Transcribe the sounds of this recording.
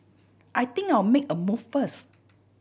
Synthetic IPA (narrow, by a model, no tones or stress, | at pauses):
ʔajt̪ĩŋkajwmekəmuffəs